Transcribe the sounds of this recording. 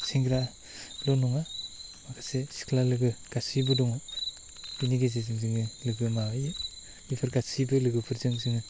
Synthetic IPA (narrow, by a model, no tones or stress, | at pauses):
siŋɡɾa | lɔnɔŋamakʰasesi̥kʰlalɯɡɯɡ̥asibɯdɔŋ | iniɡes̬eziŋziŋɯlɯɡɯmawajɯ | mipʰaɾɡasibɯlɯɡɯpʰɯɾzɯŋsiŋɯ